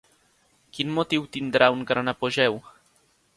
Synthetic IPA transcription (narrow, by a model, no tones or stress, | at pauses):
kinmɔt̪iwt̪ind̪ɾʔawnɡaɾanapɔʑɛw